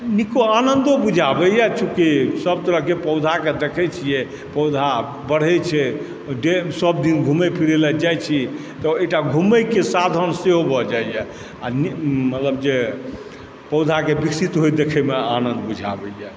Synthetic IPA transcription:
nikoanənd̪obud͡ʒʱabɛjɛt͡ʃʰũkisəb̚t̪əɾəɦkepəwd̪ʱaked̪ekʰɛt͡ʃʰijɛ | pɔwd̪ʱa | bəɽ̤ɛt͡ʃʰɛ | ɖesəbd̪inɡʱumɛpʰiɾelɛd͡ʒajt͡ʃʰi | t̪ɔeʈaɡʱumɛjkesad̪ʱənseɦobʱɔd͡ʒajjɛ | animət̪ləbd͡ʒe | pəd̪ʱakebiksit̪ɦojd̪ekʰɛmea̰nənd̪bud͡ʒʱa̰bɛjɛ

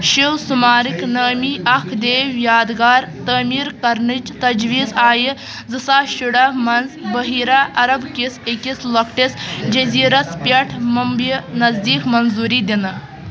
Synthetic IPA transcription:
ʃiwsumaːɾiknɐːmiːʔɐkʰd̪eːwjaːd̪ɡaːɾt̪əːmiːɾkɐɾnɨd͡ʒt̪ɐd͡ʒʋiːzaːji | zɨsaːʃuɽamɐnzbɐɦiːɾaːʔɐɾɐbkisekʲislɐkʰʈisd͡ʒɐziːɾɐspʲɐʈʰmɐmbinɐzd̪iːkmɐnzuːɾiːd̪inɨ

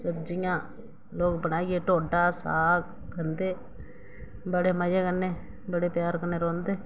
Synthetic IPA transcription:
səbd͡ʒɪjãː | loːkbənaːieːʈoːɖaːsa̰ːk | kənd̪eː | bəɽeːməd͡ʒeːkənːeː | bəɽeːpjaːɾkənːeːɾõːnd̪eː

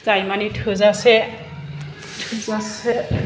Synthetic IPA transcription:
zajmanitʰozasɛ | tʰasɛ

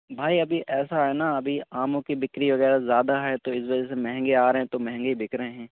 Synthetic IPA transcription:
bʱaːiɐbʱiʔɛːsaɦɛnaɐbʱiaːmõkibɪkɾiʋɐɣɛːɾazjaːd̪aɦɛt̪oɪsʋɐd͡ʒəsemɛɦŋɡeaːɾɦɛ̃t̪omɛ̃ɦɛ̃ŋɡebɪkɾəẽɦɛ̃ː

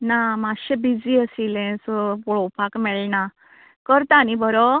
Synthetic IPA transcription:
namaɕebid͡ziəsilẽsɔpɔɭɔpakmɛɭna | kəɾt̪anibʱɔɾɔ

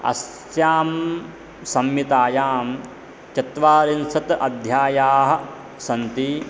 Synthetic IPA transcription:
ɐ̰s | jaːm | sɐmjit̪aːjaːm | t͡ʃɐt̪ʋaːɾinsɐt̪ɐd̪ʱjaːjaːɦɐ̆ | sɐnt̪i

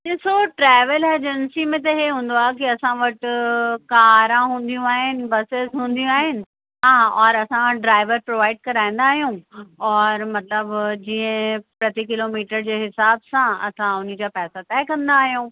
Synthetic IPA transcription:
d͡ʑeːsoʈɾɛːʋəleːd͡ʑənsimẽt̪̬ɐɦeɦũːn̆d̪oaːɦek̬iɐsãʋɐʈ̆kaːɾãɦũːn̆d̪ijũaːɦɪnɪ̆bɐsezɦũːn̆d̪ijũaːɦɪnɪ̆ | ɦãːʔɔːɾɐsãɖɾaːɪʋəɾpɾoːʋaːɪɖkɐɾaːĩn̆d̪aːɦijũɔːɾmɐt̪ləbd͡ʑiːə̃pɾɐt̪ikɪloːmiːʈəɾd͡ʑeːɦɪsaːbsãɐ̰sãʊn̤ɪd͡ʑaːpɛːsat̪ɛːkɐ̃nd̪aːɦijũː

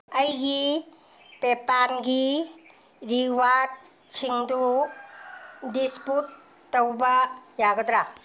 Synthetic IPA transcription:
əjɡi | pepanɡi | ɾiwad̚ | kʰiŋdu | disputː | ɐwbajaɡɐdɾa

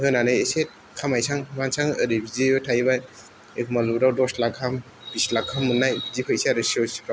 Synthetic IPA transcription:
ɦɯnanajeset̚ | kʰamajsaŋmansaŋəɾibizeɯtʰajbaj | ekʰmaluɾawdɔslakʰːam | bislakʰːamːɯnːajzipʰɯjsaɾɯsiosɾa

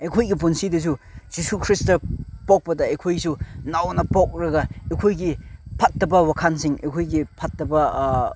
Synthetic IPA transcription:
ejkʰojɡipunsidɐs̬uz̥isukʰɾistɐpɔk̚pɐdɐejkʰojsunawnɐpɔk̚ɾɐɡɐekʰojɡipʰat̚dɐbɐwakʰansiŋḛkʰojɡipʰat̚dɐbɐ

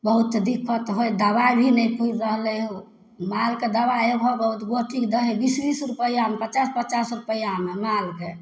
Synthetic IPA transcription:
bəɦut̪d̪ikʰːət̪ɦojd̪əbajbʱinɛjkʰuid͡ʒɾəɦleɦũ | malked̪əbaebɦobəɦut̪ɡoʈʰikd̪əɦebisbisɾupəjamepət͡ʃaspət͡ʃasɾupəjamemalke

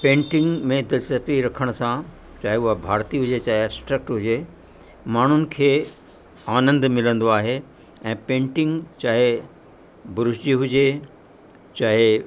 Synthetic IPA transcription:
pẽːɳʈɪ̃ŋɡmẽd̪ɪlsəpiɾɐkʰəɽ̃sã | t͡ɕaːɦeʊɦabʱaːɾt̪iɦʊd͡ʑet͡ɕaːɦeabsʈɾək̚ʈɦʊd͡ʑe | maːɳ̤ʊnɪ̆kʰeː | aːnə̃nd̪mɪlə̃nd̪oaːɦe | ɛ̃ːpẽːɳʈɪ̃ŋɡt͡ɕaːɦe | bʊɾʊʃd͡ʑiɦʊd͡ʑe | t͡ɕaːɦe

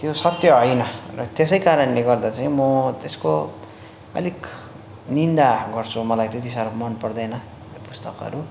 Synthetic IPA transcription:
t̪josʌt̪jʌɦʌjnʌt̪esʌjkaɾʌnleɡʌrd̪at͡saĩmʌt̪esko | ʌ̰lik | nind̪aɡʌrt͡sʰumʌlajt̪et̪isaɾmʌnpʌrd̪ʌjnʌ | pust̪ʌkʌ̰ɾu

